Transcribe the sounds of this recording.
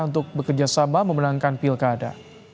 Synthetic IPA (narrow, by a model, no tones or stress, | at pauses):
unt̪ʊk̚bəkərd͡ʒasamaməmənaŋkanpilkada̰